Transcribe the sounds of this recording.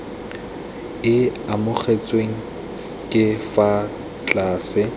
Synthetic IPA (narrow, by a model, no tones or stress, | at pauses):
ɪamʊχʰet͡sʼweŋ̩ | kʼɪfa | t͡ɬʼaːsɪ